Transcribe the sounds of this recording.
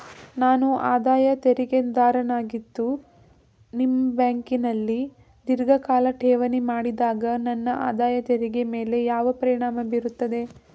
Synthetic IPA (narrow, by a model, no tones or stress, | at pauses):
naːnuʔaːd̪aːjɐt̪eɾiɡend̪aːɾɐnaːɡit̪ːu | nimːɐbjaːŋkinɐlːi | d̪iɾɡɐkaːlɐʈʰɛːʋɐnimaːɽid̪aːɡɐnɐnːɐʔa̰ːd̪aːjɐt̪eɾiɡeme̞ːle̞jaːʋɐpɐɾiɳaːmɐbiɾut̪ːɐd̪e̞